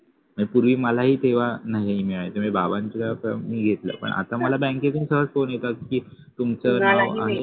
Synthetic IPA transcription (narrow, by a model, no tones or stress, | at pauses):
məepuɾʋiːməlaɦiːt̪eʋ̤anaɦiɦimiɭajet̪emibabãɲt͡ɕikakəmiːɡʱet̪lə̰pə̰ɳa̰t̪aməlabɛ̃ŋket̪umsəɦəfonjet̪akiː | t̪umt͡sənawa̰e